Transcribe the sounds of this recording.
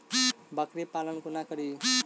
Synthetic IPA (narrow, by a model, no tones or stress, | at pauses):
bʌkɾepalʌnkunakʌɾi